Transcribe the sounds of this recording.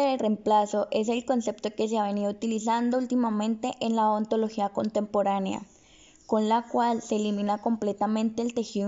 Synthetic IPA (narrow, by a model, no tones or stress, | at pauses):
eðeremplasoʔe̞s̬e̞lkonse̞pt̪okes̬eaβe̞niðout̪ilis̬and̪oult̪imamẽnt̪eʔenlaont̪o̞loxiakont̪empoɾanea̰ | konlakwalseːliminakomplet̪amẽnt̪eːlt̪exi